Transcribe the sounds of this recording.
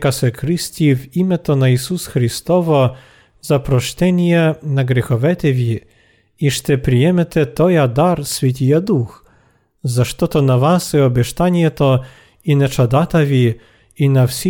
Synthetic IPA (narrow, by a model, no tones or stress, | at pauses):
kasɛkɾɨsʲt̪ʲivimɛt̪ɔnaisusxɾist̪ɔvɔ | zapɾɔʃt̪ɛnʲjɛnaɡɾɛxɔʋɛt̪ɛvʲi | iʃt̪ɛpɾijɛmɛt̪ɛt̪ɔjad̪aɾsvʲɛt̪̬ʲijad̪ux | zaʃt̪ɔt̪ɔnavasɛɔbʲɛʃt̪anʲjɛt̪ɔ | inɛt͡ʂad̪at̪avʲi | inafsʲi